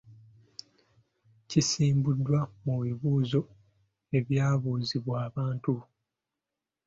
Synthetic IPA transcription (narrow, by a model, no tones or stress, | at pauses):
cisiːmbudːwamuβiβuːzo̞ | e̞βjaːβuːziβwaːβaːntu